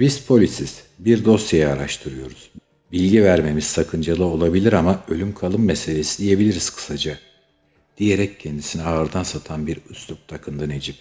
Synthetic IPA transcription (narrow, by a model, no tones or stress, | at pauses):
bizpʰo̞lʲisiz̥ | biɾd̪o̞sjejaːɾaʃt̪ʰɯɾɯjo̞ɾuz̥ | bilʲɟivæɾme̞miz̥sakʰɯnd͡ʒalˠɯo̞lˠabilʲiɾamaø̞lʲymkʰalˠɯmːese̞lʲe̞sid̪ije̞bilʲiɾiz̥kʰɯ̥sad͡ʒa | d̪̥ije̞ɾɛccʰɛnd̪isiniaːɾd̪ansat̪ʰanbiɾyslup̚t̪ʰakʰɯnd̪ane̞d͡ʒip̚